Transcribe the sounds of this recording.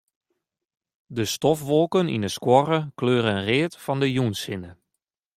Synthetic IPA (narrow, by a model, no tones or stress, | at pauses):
dəstɔfʋɔlˠkənḭnəskwɔrəkløːɾəreːətfɔndəjunsɪnə